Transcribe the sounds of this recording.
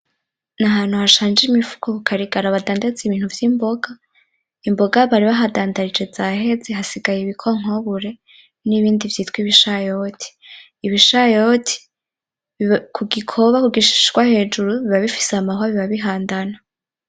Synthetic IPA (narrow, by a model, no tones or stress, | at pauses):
naɦaːn̥huhaʃaːnd͡ʒimifu̥kʰoβukʰaɾiɡaɾaβadaːndat͡seiβiːn̥huvjimbo̞ɡa | imbo̞ɡaβaɾiβaɦadaːndaɾid͡ʒe̞zahe̞zeɦasiɡajeβikʰoŋ̥oβuɾe̞ | niβiːndivjiːtwiːβiʃajotʰi̥ː | βiʃajotʰi̥ | kʰuɡikʰo̞βakuɡiʃi̥ʃɡwahe̞d͡ʒuɾuβiβaβifi̥sehamaɦaβiβaβiɦaːndana